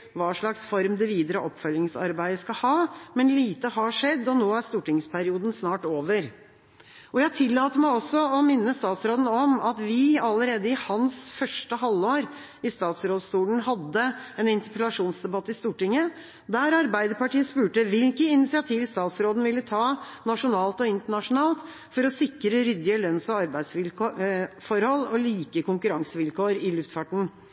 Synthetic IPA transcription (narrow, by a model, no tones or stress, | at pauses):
ʋɑːʂɭɑksfɔɾmd̪ɛʋiːd̪əɾəʔɔpfœlɪŋsɑ̰ɾbæɪd̪əskɑhɑːmɛnliːt̪əhɑʂɛd̪ːɔnoːæɾst̪uːʈɪŋspʰæɾɪuːd̪n̩snɑːʈoːʋəɾ | ɔjæt̪ʰɪlːɑːt̪əmæɪɔsːɔɔmɪnːəst̪ɑːt̪sɾoːd̪n̩ɔmɑt̪ʋɪɑlːəɾeːd̪əɪhɑnsfœʂʈəɦɑlːoːɾ | ɪst̪ɑːt̪sɾoːd̪st̪uːln̩ɦɑd̪ːəɛnɪnt̪əpəlɑʂuːnsd̪ɛbɑt̪ːəɪst̪uːʈɪŋːə | d̪æɾɑɾbæɪd̪əɾpɑʈiːəspʉːʈəʋɪlkəɪnɪt̪sɪɑt̪ʰiːʋɪst̪ɑːt̪sɾoːd̪n̩ʋɪlːət̪ʰɑːnɑʂʊnɑːlt̪ɔɪnt̪əɳɑʂʊnɑːlt̪ | fɔɾɔsɪkːɾəɾʏd̪ɪəlœnsɔɑɾbæɪsʋɪl | fɔɾhɔlːɔliːkəkʊŋkʉɾɑŋsəʋɪlkoːɾɪlʉft̪fɑʈɳ̩